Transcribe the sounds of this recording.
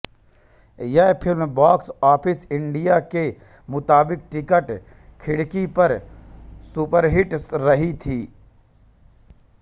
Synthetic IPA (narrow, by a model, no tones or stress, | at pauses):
jɛpʰɪlmbaːksaːpʰɪsɪ̃ɳɖijake | mʊt̪aːbɪk̚ʈɪkəʈ | kʰɪɽkipɐɾ | supəɾɦɪʈɾəɦit̪ʰiː